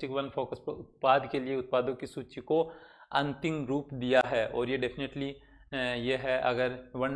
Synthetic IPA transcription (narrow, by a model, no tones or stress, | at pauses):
ʈɪkʋɐnfʰoːkəspɐʊt̪̚paːd̪kelieʊt̪̚paːd̪õkisuːt͡ʃikoɐ̃nt̪ɪ̃mɾuːpd̪ijaɦɛːʔɔːɾjeɖepʰɪneʈli | jeɦɛʔɐ̰ɡəɾʋɐn